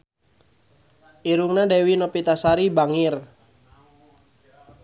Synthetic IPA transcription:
ʔiɾuŋnadewinɔpit̪asaɾibaŋir

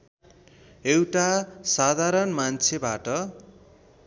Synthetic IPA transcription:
ewʈasad̪ʱaɾʌnmant͡sʰebaʈʌ

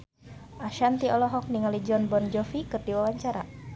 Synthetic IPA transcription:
ʔaʃant̪iɔlɔɦɔk̚niŋalid͡ʒɔnbɔnd͡ʒɔfikɨrdiwawaɲt͡ʃaɾa

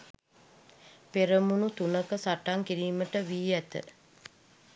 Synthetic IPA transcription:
peɾəmunut̪unəkəsaʈaŋkiɾiːməʈəʋiːæt̪ə̰

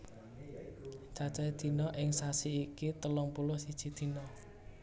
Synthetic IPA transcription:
t͡ʃat͡ʃad̪̥i̤nɔʔɪŋsasiikit̪əlɔŋpulɔsid̥ʒ̥i̤d̪̥i̤nɔ

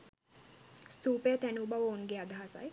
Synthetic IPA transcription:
st̪uːpejət̪ænubaʋonɡead̪ʱaɦasa̰j

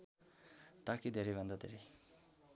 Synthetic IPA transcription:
t̪akid̪ʱeɾebʌnd̪ad̪ʱeɾe

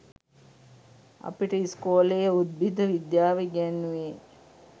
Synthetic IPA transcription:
ɐ̰piʈəiskoːlejəud̪̚bid̪əʋid̪jaːʋeɡɛnːuʋe

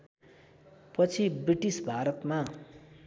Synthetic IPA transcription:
pʌt͡sʰibriʈisbʱaɾʌt̪ma

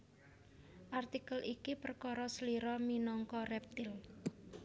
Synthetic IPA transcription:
ʔart̪ikəlʔikipərkɔɾɔsəliɾɔminɔŋkɔrɛp̚t̪ɪl

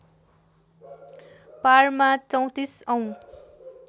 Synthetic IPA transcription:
parmat͡sʌw̃t̪isʌw̃

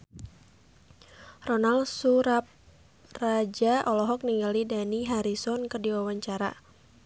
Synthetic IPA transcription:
rɔnalsuɾap̚ | rad͡ʒaʔɔlɔɦɔk̚niŋɡalidaniɦaɾisɔnkɨrdiwawaɲt͡ʃaɾa̰

